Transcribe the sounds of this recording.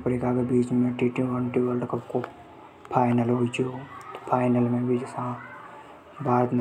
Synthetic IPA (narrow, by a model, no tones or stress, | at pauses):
pəɾikaːkebiːt͡ʃmẽʈiʈiʋəɳʈiʋəlɖkəpko | pʰaːɪnəlɦoit͡ʃot̪o̥pʰaːɪnəlmẽbʱid͡ʒsã | bʱaːɾt̪n